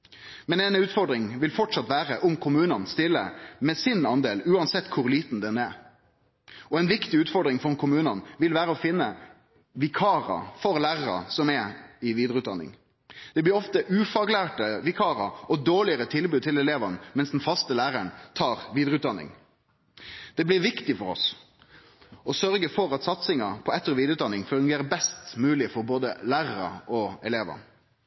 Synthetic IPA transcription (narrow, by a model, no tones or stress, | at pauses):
mɛnɛnʉːt̪fɔʁd̪ɾɪŋʋɪlfɔʈʂɑt̪ʋæːʁəʔʊmkʰʊmʉːnɑnst̪ɪlːə̰mɛsɪnɑnd̪eːlʉːɑnsɛt̪ːkʰʊɾliːt̪n̩d̪ɛnɛ | ɔɛnʋɪkt̪ɪʉːt̪fɔɾɖ̪ɾɪŋfɔkʰʊmʉːnɑnʋɪlʋæːɾəɔfɪnːə | ʋɪkʰɑːɾɑ̰fɔɾlæːʁɑɾɑ̰sɔmɛɪʋiːd̪ɾəʉːd̪ɑ̰nːɪ̰ŋ | d̪̥ɛblɪɾɔft̪əʔʉːfɑːɡlæːʈəʋɪkʰɑːɾɑ̰ɔd̪oːɭɪəɾət̪ʰɪlbʉd̪̚t̪ʰɪlɛleːʋɑnmɛnsd̪n̩fɑst̪əlæːɾæɳt̪ʰɑːɾʋiːd̪ɾəʉt̪d̪ɑnːɪ̰ŋ | d̪̥ɛblɪɾʋɪkt̪ɪfɔɾɔ̰s | ɔsœɾɡəfɔɾɑt̪sɑt̪sɪŋɑpʰɔɛt̪ːəʁʋiːd̪ɾʉːt̪d̪ɑnɪŋfʉŋɡeːɾəbɛst̪mʉːlɪfɔɾboːd̪əlæːʁɑɾɑ̰ɔɛleːʋɑ̰